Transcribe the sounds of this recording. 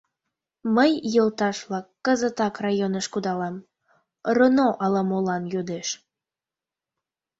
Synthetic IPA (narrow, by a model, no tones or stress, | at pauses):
məjjəlt̪ɑʃβlɑkːəzət̪ɑkrɑjonəʃkud̪ɑlɑm | rənoʔɑlɑmolɑnjod̪eʃ